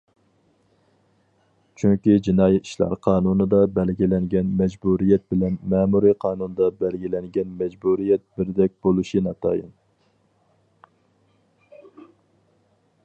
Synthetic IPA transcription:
t͡ʃʰyŋkʲid͡ʒinɑːjɛt̪i̥ʃlˠɑ̰ɾqʰɑːnunɨd̪ɑbɛlɡʲilɛŋɡʲɛnmɛd͡ʒbuɾijɛt̪̚bɪlɛnmɛːmuɾiqʰɑːnunɨd̪ɑbɛlɡʲilɛŋɡʲɛnmɛd͡ʒbuɾijɛt̪̚bɪɾd̪ɛk̚ʲbolˠuʃinɑt̪ʰɑ̰ːjɨ̰n

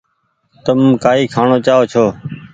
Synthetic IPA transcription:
t̪əmkaːiːkʰaːɳoːt͡ʃaːɦoːt͡ʃʰoː

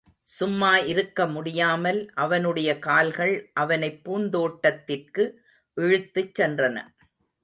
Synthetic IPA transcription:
sʊmːaːɪɾɯkːɐmʊɽɪjaːmɐlʔɐʋɐnɯɽɐjɐkaːlɣɐɭʔɐʋɐnɐɪpːuːnd̪oːʈːɐt̪ːɪrkɯ | ʔɪɻɯt̪ːɯt͡ʃːɛndrɐnɐ̰

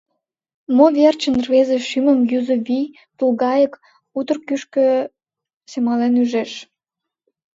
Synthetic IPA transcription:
moβʲert͡ɕənrvezeʃyməmjyzə̆βi | pluɣɑjək | ut̪ə̆rkyʃkø̆ | semɑlenyʒeʃ

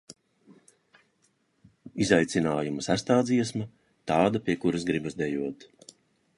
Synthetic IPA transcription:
izajt̪sinaːjumɐsæst̪aːd̪ziɛsmɐ | t̪aːd̪apʲiɛkuɾasɡɾibazd̪ɛjuɔt̪

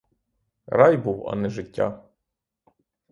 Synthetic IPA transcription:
rɑjbuwɐ̰nɛʒɪtʲːa̰

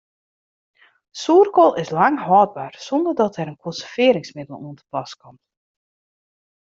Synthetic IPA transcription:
suərkɔlˠɪslaŋɦɔːd̚barsɔndərdɔtʰɛɾənkʰɔnsəfɪːəɾɪŋsmɪdəl̩ˠuəntə̥plaskɔmt

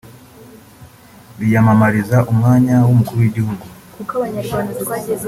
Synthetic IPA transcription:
βijamamaɾizaʔumŋaːɲawomukuɾuweɟihuɡu

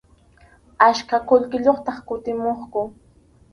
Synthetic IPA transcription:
aʃkakʊlkɪʎoχt̪ɑχkʊt̪ɪmoχkʊ

